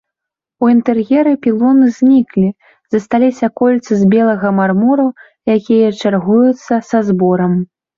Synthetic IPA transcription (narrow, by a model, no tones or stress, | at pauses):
uint̪ɛrjʲɛɾɨpʲilˠɔnɨzʲnʲiklʲi | z̥ɐst̪alʲisʲɐkɔlʲt̪sɨzʲbʲɛlˠɐɣɐmarmuɾu | jakʲijɐt͡ʂarɣujut̪sːɐsazbɔɾɐm